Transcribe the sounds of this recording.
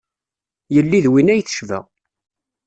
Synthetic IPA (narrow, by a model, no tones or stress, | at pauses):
jəlːiðwinæjθə̥ʃvæ̰